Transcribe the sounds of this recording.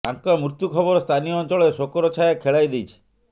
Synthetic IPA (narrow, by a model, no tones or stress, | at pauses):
aŋkɔmɾut̪jukʰɔbɔɾɔst̪ʰanijɔɔnt͡ʃɔɭɔesokɔɾɔt͡ʃʰajakʰeɭajd̪ejt͡ʃʰi̥